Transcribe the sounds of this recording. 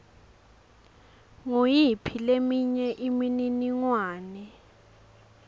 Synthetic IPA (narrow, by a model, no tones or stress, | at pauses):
ŋojipʰilemiɲɛʔimininiŋwaːnɛ